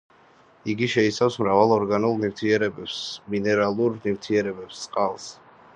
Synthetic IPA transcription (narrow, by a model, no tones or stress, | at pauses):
iɡiʃɛisafsmɾavalˠɔɾɡanulˠnivt̪ʰiɛɾɛbɛpsminɛɾalˠuɾnivt̪ʰiɛɾɛbɛpst̪sʼqʼalˠs